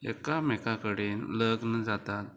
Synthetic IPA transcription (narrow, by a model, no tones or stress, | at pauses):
ḛkamekakəɽenləɡnəd͡zat̪at̪̚